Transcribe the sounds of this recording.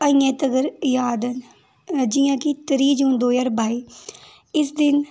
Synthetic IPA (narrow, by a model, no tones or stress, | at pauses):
əĩjɛ̃ːt̪əɡəɾjaːd̪ən | d͡ʒɪjãːkɪt̪əɾiːd͡ʒũnd̪oːjəɾbʱaːiː | ɪsd̪ɪn